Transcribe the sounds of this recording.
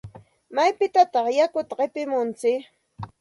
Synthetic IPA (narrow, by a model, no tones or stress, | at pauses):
majpɪt̪at̪ɑχjakʊt̪aɢepɪmʊnt͡sɪk